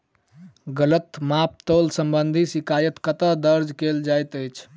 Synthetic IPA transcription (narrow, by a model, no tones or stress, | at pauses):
ɡələt̪map̚t̪olsəmbənd̪ʱisikajət̪kət̪əd̪əɾd͡ʒkeld͡ʒajt̪əjt͡ʃʰ